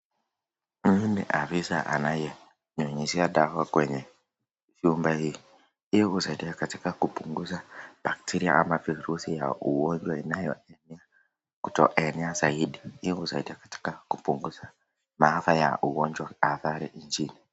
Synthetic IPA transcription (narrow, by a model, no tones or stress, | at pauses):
m̩nɛ̰ʔafisa̰ʔa̰najɛ | ɲɔɲɛʃiaɗawakwɛɲɛ | ʃumbahiː | ijɔusaiɗiakatikakupuŋɡuzaɓ̥ak̚tiɾia̰ʔamaviɾusija̰uwɔɲd͡ʒwainajɔ̰ɛnɛa | ku̥tɔ̰ʔɛnɛazaiɗiijɔhusaiɗiakḁti̥kakupuŋɡuza | maafaja̰ʔuwɔɲd͡ʒwaaθaɾḭʔiɲd͡ʒini